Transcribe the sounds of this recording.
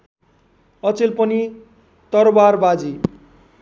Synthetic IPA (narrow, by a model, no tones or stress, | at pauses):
ʌt͡selpʌni | t̪ʌɾbarbad͡zi